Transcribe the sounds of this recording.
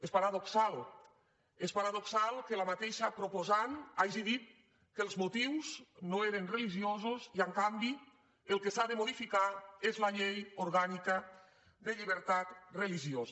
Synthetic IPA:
espaɾaðoksal | espaɾaðoksalˠkelamat̪eʃapɾopozanaʒiðit̪̚ | kəlˠzmut̪iwznoeɾenreliʒiozoziəŋkambi | elˠkesaðemoðifikaezlaʎejoɾɣanika | d̪əʎiβ̞əɾt̪at̪reliʒioz

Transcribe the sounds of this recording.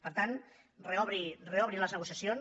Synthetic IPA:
pəɾt̪an | reɔβɾireɔβɾiləznəɣusiasion

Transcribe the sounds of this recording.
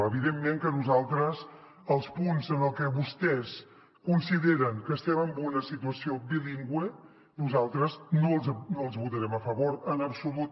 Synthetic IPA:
əβiðemːeŋkənuzalˠt̪ɾəz | əlˠspunzənəlˠkɛβust̪ɛs | kunsiðeɾəŋkəːst̪ɛməmbunəsit̪uəsiobiliŋɡwe | nuzalˠt̪ɾəznoznoəlˠzβut̪əɾɛməfəβoɾənəpsulut̪

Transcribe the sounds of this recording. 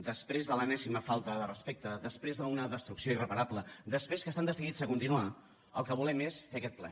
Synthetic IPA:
d̪əspɾezðələnɛsiməfalˠt̪əðərəspek̚t̪əðəspɾezðəunəðəst̪ɾuksioirəpəɾapləd̪əspɾeskəst̪and̪əsiɣizəkunt̪inua | əlˠkəβulɛmesfeəkɛt̪̚plɛ̰

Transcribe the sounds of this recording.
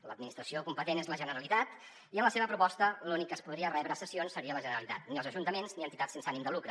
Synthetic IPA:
ləd̪̚minist̪ɾəsiokumpət̪enezləʒənəɾəlit̪at̪ | iənləseβəpɾupɔst̪əlunikːəspuð̞ɾiərɛβɾəsəsionsːəɾiələʒənəɾəlit̪a̰t̪niəlˠzəʒunt̪əmenzniənt̪it̪atsensanimd̪əlukɾə

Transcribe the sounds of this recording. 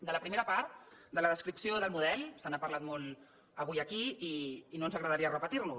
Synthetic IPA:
d̪ələpɾimeɾəpaɾt̪d̪ələðəskɾipsioðəlˠmuðɛlˠsənapəɾlat̪mɔl | əβujəkiiːnoənzəɣɾəðəɾiərəpət̪iɾnu

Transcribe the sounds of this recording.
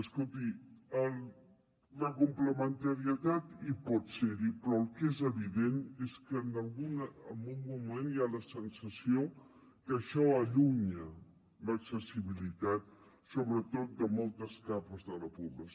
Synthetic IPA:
əskolˠt̪iəl | ləkumpləmənt̪əɾiət̪at̪ipɔt̪seɾipɾɔəlˠkezəβiðeneskəːnəlˠɣunəmunmumenjaləsənsəsio | kəʃɔəʎuɲə | ləksəsiβilit̪at̪̚ | soβɾət̪ot̪̚d̪əmɔlˠt̪əskapəzðələpuβlə

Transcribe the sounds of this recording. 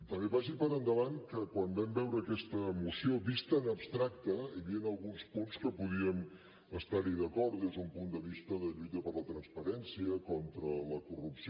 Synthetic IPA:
t̪əmbeβaʒipəɾənd̪əβankəkwambɛmbɛwɾəːkɛst̪əmusioβist̪ənəpst̪ɾak̚t̪əiβiənəlˠɣunspunskəpuð̞iən | əst̪aɾliðəkɔɾt̪d̪ezðəumpund̪əβ̞ist̪əðəʎujt̪əpəɾlət̪ɾənspəɾɛnsiəkɔnt̪ɾələkurupsi

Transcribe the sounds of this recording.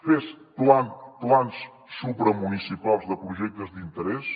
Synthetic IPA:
fes | planplˠansː | uβpɾəmunisipalˠzðəpɾuʒɛk̚t̪əzd̪int̪əɾɛs

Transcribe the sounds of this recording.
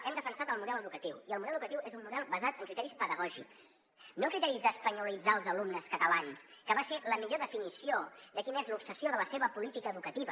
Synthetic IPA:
ɛmd̪əfənsat̪əlˠmuðɛləðukət̪iwiəlmuðɛlðukət̪iwezummːuðɛlˠβəzat̪əŋkɾit̪ɛɾispəðəɣɔʒḭks | nokɾit̪ɛɾizðəspəɲulid͡zaəlˠzəlumnəskət̪əlans | kəβaseləmiʎoðəfinisio | d̪əkinəezlupsəsioðələseβəpulit̪ikəːðukət̪iβə

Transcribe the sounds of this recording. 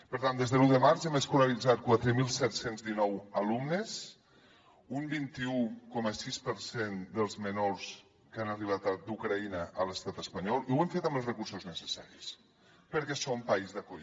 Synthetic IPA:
pəɾt̪and̪ezðəluðəmaɾzɛmeskulalid͡zat̪̚kwat̪ɾəmilˠsɛt̪senzðinɔwəlumnəs | umbint̪iukɔməsispəɾsend̪əlˠzmənoɾs | kanəriβ̞at̪̚d̪ukɾainəələst̪at̪əspaɲɔlˠiuweɱfet̪əməlˠzrəkuɾsoznəsəsa̰ɾis | pəɾkɛsompaizðəkoʎ

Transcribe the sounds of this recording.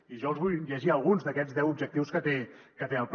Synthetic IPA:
iʒɔəlˠzβujʎəʒiəlˠɣunzðəkɛd͡zðɛwubʒək̚t̪iwskət̪ekət̪eəlˠp

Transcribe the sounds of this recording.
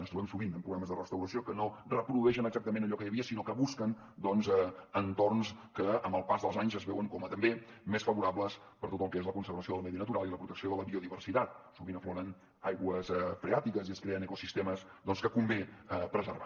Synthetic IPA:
ənst̪uβɛmsuɣinəmpɾuɣɾaməzðərəst̪əwɾəsiokənorəpɾuðuɛʃ̬ənəɡzak̚t̪əmẽnəʎɔkəjəβiəsinokəβuskən | d̪ɔnzɛənt̪ornskəəmbəlˠpazðəlˠzaɲzəzβɛwəŋkɔmət̪əmbemesfəβuɾapləs | pəɾt̪ot̪əlˠkəezləkunsəɾβəsioðəlˠmɛðiənət̪uɾalˠiləpɾut̪əksioðələβioðiβərsit̪at̪̚suɣinəfloɾən | ajɣwəzɛfɾeat̪ikəziəskɾeənəkusist̪ɛməsd̪ɔnskəkumbepɾəzəɾβa

